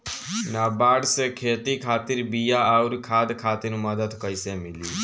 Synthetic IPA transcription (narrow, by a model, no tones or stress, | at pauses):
naːbaːɽsekʰeːt̪ikʰaːt̪iɾbijaauɾkʰaːd̪kʰaːt̪iɾməd̪əd̪kəɪsemili